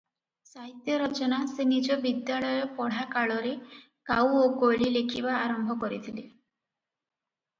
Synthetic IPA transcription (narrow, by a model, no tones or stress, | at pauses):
saɦit̪jɔɾɔt͡ʃɔnasenid͡ʒɔbid̪jaɭɔjɔpɔɽ̤akaɭɔɾe | kawokoɭilekʰibaːɾɔmbʱɔkɔɾit̪ʰili